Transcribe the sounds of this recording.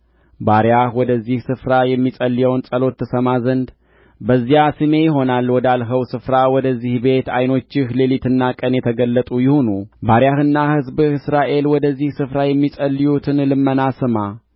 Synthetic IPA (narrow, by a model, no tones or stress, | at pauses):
baɾjahwɔd̪əzːihsɨfɾajɛmːisʼəlːijəwnsʼəlo̞t̪ːəsəmazənd̪ | bəzːijasɨme̞jɪɦo̞nalːwɔd̪alɦəwsɨfɾawɔd̪əzːihbe̞t̪ajno̞t͡ʃːɪhlelit̪ʰɨnːakʼənjɛt̪ʰəɡəlːət̪ʼujɪho̞nubaɾjahɨnːahɨzbɨsɾaʔe̞lwɔd̪əzːihsɨfɾajɛmːisʼəlːijut̪ʰɨnlɨmːənasɨma